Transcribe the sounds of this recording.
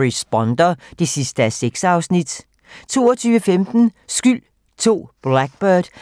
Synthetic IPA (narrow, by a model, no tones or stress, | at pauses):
ʁisb̥ɒnd̥ɐd̥e̝sisd̥əæseɡ̥sɑ̈ʊsnid̥ | t͡sʰo̝̰ːɐt͡sʰyːʋəfemd̥n̩ | sɡ̥yl̰ | t͡sʰo̝̰ːb̥læɡ̥̚b̥œɐd̥